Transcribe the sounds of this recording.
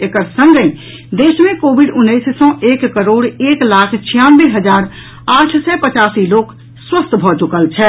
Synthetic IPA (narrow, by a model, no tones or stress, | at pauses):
ekəɾsə̃ŋɡẽ | d̪eːʃmẽkoːbɪɖʊnːəɪssɔ̃ʔeːkːəɾoːɽeːklaːkʰt͡ʃʰijãːnbeɦəd͡ʒaːɾ | aːʈʰsɛpət͡ʃaːsiloːk | swəst̪ʰbʱɔt͡ʃʊkəlt͡ʃʰɛ